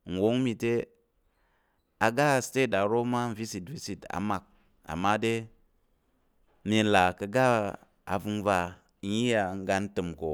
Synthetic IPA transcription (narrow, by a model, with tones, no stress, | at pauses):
n̩˨wo˨˦ŋmi˧te˦ | a˨ɡa˦˨ste˦˨ta˨ɾo˦ma˦n˦vi˦si˨tvi˦si˨ta̰˨ma˨k̚ | a̰˨mːa˦de˦ | mi˧˨la˨kə˨ɡa˦ | a̰˨vu˧ŋva˧˦ | ji˦ja˨ŋ˦ɡa˦n˦tɨ˨mko˨